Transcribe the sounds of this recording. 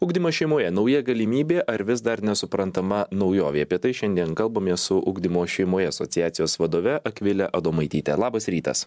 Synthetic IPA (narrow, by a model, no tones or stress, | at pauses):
ʊɡd̪ʲɪmoːʃʲɛɪmoːjɛnɒʊjɛɡɐlʲɪmʲiːbʲeːʔɐɾʋʲɪs̬d̪ɐɾnʲɛsʊpɾɐnt̪ɐmɐnɒʊjoːʋʲɛɪɐpʲiɛt̪ɐɪʃʲɛnʲd̪ʲiɛnkɐlˠbɐmʲeːssʊʔʊ̰ɡd̪ʲɪmoːʃʲɛɪmoːjɛɐsot̪ʲɪjæːt̪sʲɪjoːsʋɐd̪oːʋʲɛʔɐkʋʲɪlʲɛʔɐd̪oːmɐɪt̪ʲiːt̪ʲɛ̰lˠɑːbɐsɾʲiːt̪ɐ̰s